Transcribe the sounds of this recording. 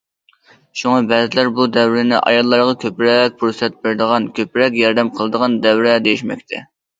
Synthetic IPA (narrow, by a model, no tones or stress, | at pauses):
ʃuŋɑbɛzɪlæɾbud̪ɛwɾɪnɪ̰ʔɑ̰jɑlˠːɑɾʁɑkʲʰøpɾɛk̚ʲpʰuɾsɛt̪̚bɪɾd̪əʁɑnkʲʰøpɾɛkʲjɑɾd̪ɛmqʰəlˠɨd̪əʁɑnd̪ɛwɾɛd̪ejiʃmɛ̰kʲt̪ʰɛ̰